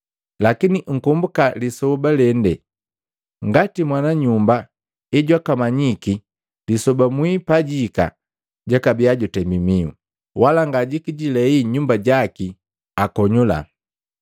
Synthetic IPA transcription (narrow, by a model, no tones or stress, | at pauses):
lakiniŋ̩kumbukalisɔbalɛndɛ | ŋɡatimwanaɲumba | ɛɟwakamaɲiki | lisɔbamwipaɟika̰ | ɟakabiaɟɔtɛmbimiṵ | walaŋɡaɟikiɟilɛiɲumbaɟaki | akɔɲula̰